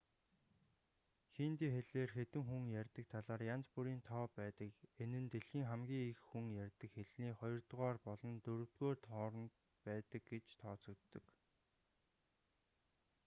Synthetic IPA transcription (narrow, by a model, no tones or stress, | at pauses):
xint̪iːxeɮeːrxet̪ɘ̆ŋxuŋjærʲt̪ə̆k̚t̪ʰaɮaːrjant͡spuɾiːnt̪ʰɔːpæːt̪ə̆kenɘ̆nt̪eɮxiːŋχamɡʲiːŋixxuŋjærʲt̪ə̆kxeɮniːχɔjɞ̆rt̪ʁaːrpɔɮɞ̆nt̪ɵɾɵ̆w̥t̪ɡoːrt̪χɔːɾɞ̆nt̪ | pæːt̪ə̆k̚ɡet͡ɕt̪ʰɔːt͡sɞ̆kt̪ːɞ̆k